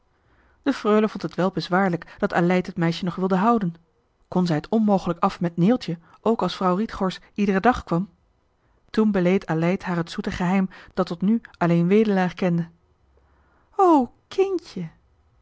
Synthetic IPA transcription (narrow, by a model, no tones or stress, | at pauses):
d̥əfrøːləvɔntətʋɛlˠbəzʋaːɹləkd̥ɑtaːlɛjtɦətmɛjʃənɔχʋɪlˠdəɦɑwdən | kɔnzɛjətɔnmowχələkɑfmɛtnɪːlˠtə | ʔowkɑlˠsfrɑwritχɔɹs | idərədɑχkʋɑm | tunbəlejtalɛjtɦaːrɦətsutəχəɦɛjmd̥ɑtːɔtnyɑlejnʋejdəlaːχkɛndə | owkʰɪncə